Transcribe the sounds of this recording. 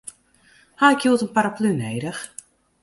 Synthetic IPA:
haɪkjuətənpaɾaplyneːdəx

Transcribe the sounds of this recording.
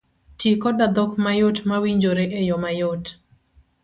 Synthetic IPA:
tikɔdad̪ɔkmajotmawiɲd͡ʒoɾeʔejɔmajot

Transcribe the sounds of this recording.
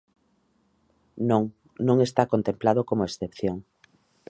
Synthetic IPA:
noŋ | nõŋest̪akont̪emplað̞okomoesθepθjoŋ

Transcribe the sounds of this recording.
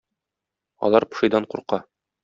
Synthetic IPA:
ɒ̰lˠɑɾpɤ̥̆ʃɤ̆jd̪ɑɴquɾqɑ

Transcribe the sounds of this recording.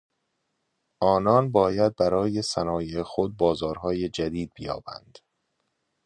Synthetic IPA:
ʔɒːnɒːnbɒːjæd̪̚bæɾɒːje̞sænɒːjexod̪̚bɒːzɒːɾɦɒːjed͡ʒæd̪iːd̪̚bejɒ̰ːb̥æ̰nd̪̥

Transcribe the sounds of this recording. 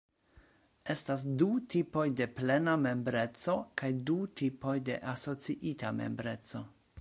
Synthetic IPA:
e̞stasdutipo̞jde̞ple̞name̞mbɾe̞t͡so̞kajdutipo̞jde̞ʔaso̞t͡siʔitame̞̰mbɾe̞t͡so̞

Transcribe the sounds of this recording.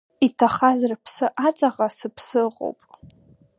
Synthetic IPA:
itʰaχazrpʰsɨʔat͡sʼaʁasɨpʰsɨqʼo̰wpʼ

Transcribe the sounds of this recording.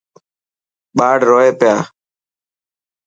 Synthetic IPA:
ɓaːɽɾoːeːpɪjaː

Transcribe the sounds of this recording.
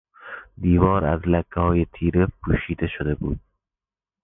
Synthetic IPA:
d̪iːvɒɾa̰zlakʰːahɒjɪt̪ʰiɾɪp̚kuʃid̪aʃod̪abud̪̥̚

